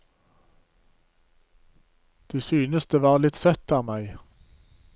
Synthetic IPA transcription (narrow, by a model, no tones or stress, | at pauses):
d̪̥iːsyːnəsd̪̥əːʋɑːʁlɪt̪sœt̪ɑːmæɪ